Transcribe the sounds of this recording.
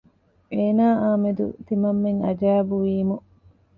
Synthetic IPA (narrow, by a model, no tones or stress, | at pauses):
eːnaːʔaːmed̪ṵt̪imɐmːeŋɐd͡ʒaːbuʋiːmu